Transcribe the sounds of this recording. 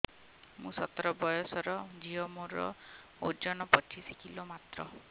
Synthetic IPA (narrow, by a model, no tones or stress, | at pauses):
mũsɔt̪ɔɾɔbɔjɔsɔɾɔd͡ʒiɔmoɾɔ̰ | o̰d͡ʒɔnɔpɔt͡ʃʰisikilomat̪ɾɔ̰